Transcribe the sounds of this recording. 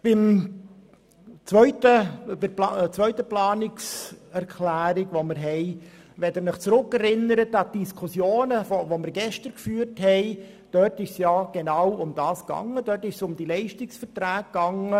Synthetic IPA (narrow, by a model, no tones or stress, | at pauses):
b̥ɪm | t͡sʋœʏtəbɪplt͡sʋœʏtəplɑːnɪksɛɾkʰlæːɾɪɡ̥voməɾɦɛɪ | ʋɛdəɾnəχt͡sɾʊkːɛɾɪnːəɾətɑd̥iskʰusjoːnəfovomɪɾɡɛʃtəɾkfyːɾthɛɪ | d̥œtɪʃsjɑːɡ̥enɑwʊmd̥ɑːsɡ̥ɑ̰ŋədœrtɪʃsʊmd̥ilɛɪʃtɪksfərtɾæːɡɡ̥ɑŋə